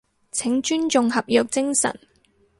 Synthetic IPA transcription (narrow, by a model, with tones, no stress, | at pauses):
t͡sʰɪ˨˥ŋt͡ʃyː˥nt͡ʃʊ˧ŋhɐ˨p̚jœː˨k̚t͡sɪ˥ŋsɐ̰˨˩n